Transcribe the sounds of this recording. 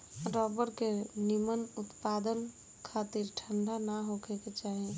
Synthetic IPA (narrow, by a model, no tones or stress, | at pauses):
ɾɔbəɾkenimənʊt̪pad̪ən | kʰat̪iɾʈʰəɳɖʱanaɦokʰeket͡ʃaɦi